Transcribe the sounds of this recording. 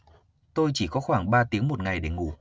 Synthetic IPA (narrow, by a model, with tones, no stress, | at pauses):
t̪o˧jt͡ɕi˧˩kɔ˨˦xwaː˧˩ŋɓaː˧t̪i˨˦əŋmo˨˩t̚ŋa˨˩jɗe˧˩ŋṵ˧˩˨